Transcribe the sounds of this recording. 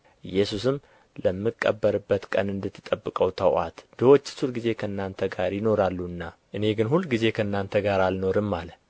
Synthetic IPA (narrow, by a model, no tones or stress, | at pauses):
ʔɨjːɛsusɨm | ləmːɨkʼːəbːəɾɨbːət̪kʼə̰nɨnd̪ɨt̪ʰːɨ̥t̪ʼəbːɨkʼəwt̪ʰəwʔa̰t̪d̪əwot͡ʃːɨ̥sʰulɡize̞kʰəɨnːant̪ʰəɡaɾjɪno̞ɾalːuɨnːaʔɨne̞ɡɨnhulːɡize̞kʰəɨnːant̪ʰəɡaɾalno̞ɾɨmːalə